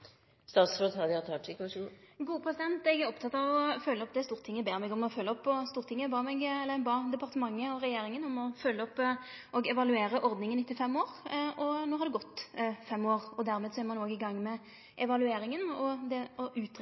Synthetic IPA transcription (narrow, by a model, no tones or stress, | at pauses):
st̪ɑːt̪sət̪ʰɑd̪ɑt̪ʰɑːʈʰɪkʋɑʂɡuːəpʰɾɛsɪd̪ɛnt̪ɛɡæɾɔpt̪ʰɑt̪ːɑʋɔfœlːəɔp̚d̪ɛst̪uːɾʁt̪ʰɪŋːəbeːɾmɛɡɔmɔfølːəɔpːɔst̪uːɾt̪ʰɪŋːəbɑːmɛɡɛlːəɾɛnbɑːd̪ɛpɑʁt̪əmɑŋːəɔɾɛjeːɾɪŋənɔmɔfœlːəɔpː | ʔɔɡɛʋɑlʉeːɾəʔɔɾd̪nɪŋənɪt̪ːɪfɛmːoːɾʔɔnoːhɑɾd̪ɛɡɔt̪ːfɛmːoːʁɔd̪æɾmeːd̪sɔæɾmɑnoːɡɪɡɑŋːmɛ | ʔɛʋɑlʉeːɾɪŋənɔd̪ɛɔʉːt̪